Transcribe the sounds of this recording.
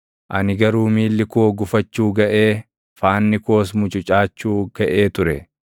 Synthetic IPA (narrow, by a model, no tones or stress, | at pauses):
ʔɐnɪɡɐɾuːmiːlːɪkoːɡʊfɐt͡ʃːuːɡɐʔeː | faːnːɪko̞ːs̬mʊt͡ʃʼʊt͡ʃʼaːt͡ʃːuːɡ̥ɐʔeːt̪ʊɾɛ